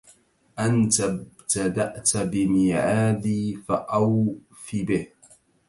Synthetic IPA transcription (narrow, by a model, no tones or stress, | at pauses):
ʔant̪abt̪ad̪aʔt̪abɪmɪʕaːd̪iːfaʔaw | fibɪh